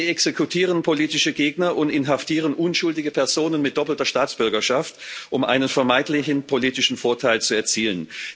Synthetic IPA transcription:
ɛksekʰutʰiːʁ̞ənpʰoliːtɪʃəɡeːɡnɐʔʊntɪnɦaftiːʁ̞ənʔʊnʃʊldɪɡəpʰɛɐzoːnənmɪt̚d̥ɔpl̩tɐʃtaːt͡sb̥ʏɐɡɐʃaftʔʊmʔa̰ɪnənfɛɐmaɪntlɪçn̩pʰoliːtɪʃn̩foːɐtʰaɪlt͡suɛɐt͡siːlən

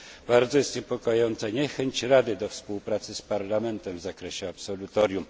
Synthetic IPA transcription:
b̥aɾd̪zɔjɛst̪ɲɛpɔkɔjɔnt̪saɲɛxɛɲt͡ɕɾad̪ɘd̪ɔfspuwpɾat̪sɘspaɾlamɛnt̪ɛmvzakɾɛɕɛapsɔlut̪ɔɾʲjum

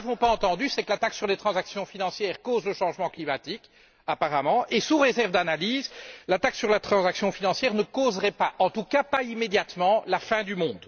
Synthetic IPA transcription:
vɔ̃paɑ̃t̪ɑ̃d̪ysɛkəlat̪aksyʁlet̪χɑ̃zaksjɔ̃finɑ̃sjɛːʁkozləʃɑ̃ʒmɑ̃klimat̪ik | apaʁamɑ̃esuʁezɛʁvd̪analiːzlat̪aksyʁlat̪χɑ̃zaksjɔ̃finɑ̃sjɛːʁnəkozʁɛpaʔɑ̃t̪ukapaimed̪jat̪mɑ̃lafɛ̃d̪ymɔ̃d̪

